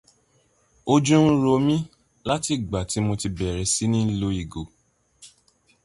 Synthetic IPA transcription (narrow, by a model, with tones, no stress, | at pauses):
o˧d͡ʒũ˦ɾo˧˦mĩ˦ | la˦ti˨ɡ͡ba˨ti˨˦mo˧ti˧bɛ˨ɾɛ˨˦si˦nĩ˦˨lo˨˦i˨ɡo˨